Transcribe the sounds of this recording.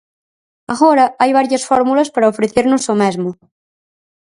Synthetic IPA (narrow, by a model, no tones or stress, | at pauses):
aɣoɾaajβ̞aɾjasfɔɾmulaspaɾaofɾeθeɾnosomezmo